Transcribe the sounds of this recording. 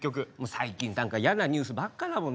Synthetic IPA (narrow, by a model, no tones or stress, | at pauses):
kʲːo̞k̬ɯ̟mosaikʲĩnnãŋkaijanaɲ̟ʲɨːsɨbakːanamõn